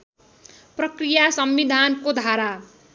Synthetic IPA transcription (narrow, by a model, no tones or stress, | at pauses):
prʌkrijasʌmːid̪ʱankod̪ʱaɾa